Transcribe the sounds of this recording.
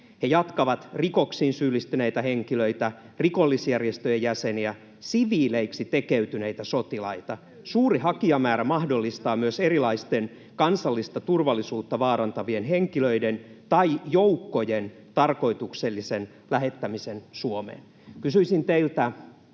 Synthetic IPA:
hejɑt̪kɑʋɑt̪rikoksiːnsyːlːist̪yneit̪æheŋkiløijt̪æ | riko̞lːisjærjest̪øjejæseniæ | siʋiːleiksit̪ekeyt̪yneit̪æsot̪ilɑit̪ɑ | suːriɦɑkiɑmæːɾæmɑhdolːist̪ɑːmyøserilɑist̪en | kɑnsɑlːist̪ɑt̪urʋɑlːisuːt̪ːɑʋɑːɾɑnt̪ɑʋienɦeŋkiløident̪ɑijoukːo̞jen | t̪ɑrko̞it̪ukselːisen | læɦet̪ːæmisensuomḛːn | kysyisint̪eilt̪æ

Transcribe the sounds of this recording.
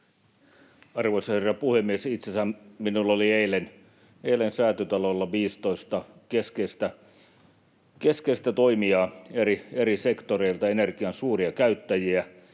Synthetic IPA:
ɑrʋoisɑherːɑpuhemːiesit̪sesæmminulːolieilen | eilensæːt̪øt̪ɑlolːɑʋiːst̪oist̪ɑkeskest̪æ | keskeist̪æt̪oimiɑeɾieɾisekt̪oɾeilt̪ɑenerkiɑnsuːriɑkæyt̪ːæjiæ

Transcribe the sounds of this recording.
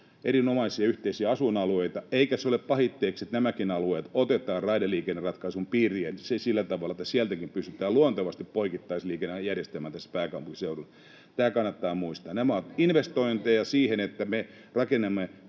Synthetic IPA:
ʔeɾinomɑisiɑyht̪eisiæɑsunɑlueit̪ɑeikæsoleppɑhit̪ːeːkset̪næmækinɑlueːt̪ot̪et̪ɑːrrɑideliːkenːerɑt̪kɑisumpiːriensesilːæt̪ɑʋɑlːˑɑet̪ːæsiælt̪ækimpyst̪yt̪ˑæːluɑnt̪ɑʋɑst̪ippoikit̪ːɑisliːkenːejærjest̪elmæːnt̪æsːpæːkɑmpuŋkiseurulː | t̪æːkɑnːɑt̪ːɑːmuist̪ɑːnnæmæot̪inʋest̪oint̪ejɑsiːhenet̪ːæme | rɑkenːemːe

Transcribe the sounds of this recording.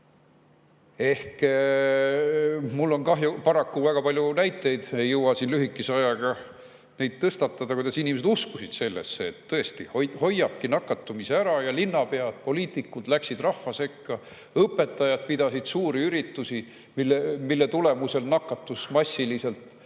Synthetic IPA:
e̞hk | mulːo̞nkɑɦjupɑɾɑkːuvæɡ̥ɑpɑlʲjunæjt̪ːˑe̞jd̪̥ejɤwɑsinlyɦikːˑiseɑjɑɡ̥ɑ | nejd̪̥t̪ɤst̪ɑt̪ːˑɑd̪ɑkujd̪̥ɑsinʲimese̞d̪uskusid̪̥se̞lːḛsːeːt̪ːɤe̞st̪ihoho̞jːɑb̥̚kinɑkːˑɑt̪ːˑumiseæɾɑjɑlinːɑpe̞ɑd̪̥̚po̞liːt̪ˑikːˑud̪̥læksid̪rɑhːɑse̞kːɑ | ɤpːe̞t̪ːˑɑjɑd̪̚pid̪ɑsid̪̥suːɾiyɾit̪ːusi | milːemilːe̞t̪ule̞muse̞lnɑkːˑɑt̪ːˑusmɑsʲːilise̞lt̪ˑ

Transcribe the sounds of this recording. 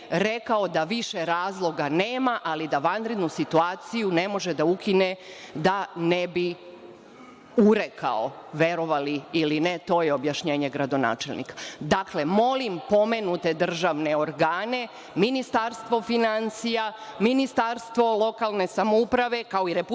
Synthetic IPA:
ɾe̞kao̞d̪aʋiʃe̞ɾaːzlˠo̞ɡaneːmaʔalid̪aʋanɾe̞d̪nusit̪uaːt̪sijune̞mo̞ʒe̞d̪aukined̪anebi | uɾe̞kʰa̰oʋe̞ɾo̞ʋaliilinet̪o̞ːjeo̞bjaʃɲe̞ːɲe̞ɡɾad̪o̞na̰ːt͡ʃe̞lnḭkḁd̪akle̞mo̞limpo̞me̞nut̪e̞d̪r̩ʒaʋne̞o̞ɾɡaːne̞ | minist̪aɾst̪ʋo̞finansijaminist̪aɾst̪ʋo̞lˠo̞kalˠne̞samoupɾaʋe̞kao̞iɾepu

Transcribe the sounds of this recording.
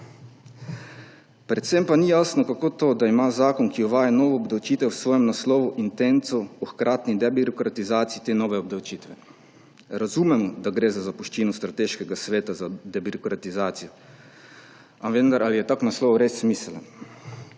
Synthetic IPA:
pɾɛt̪sempanijasnɔkakot̪oːd̪aimaːzaːkɔnkioʋaːjanoːʋoːbd̪awt͡ʃiːt̪ɛwsʋoːjɛmnaslɔːʋuʔint̪ent̪sɔuxkɾʔaːt̪nid̪ɛbiɾɔkɾat̪izaːt̪siit̪enoːʋɛobd̪awt͡ʃiːt̪ʋɛ | ɾazumɛmɔd̪aɡɾeːzazapɔʃt͡ʃiːnɔst̪ɾat̪eːʃkɛɡasʋeːt̪azad̪ebiɾɔkɾat̪izaːt̪sijɔ | aʋend̪aɾʔalijɛt̪aknaslɔːʋuɾesːmiːsɛlan

